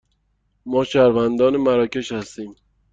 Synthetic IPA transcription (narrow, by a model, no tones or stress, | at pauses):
mɒːʃæɾvænd̪ɒːnemæɾɒːce̞ʃhæst̪iːm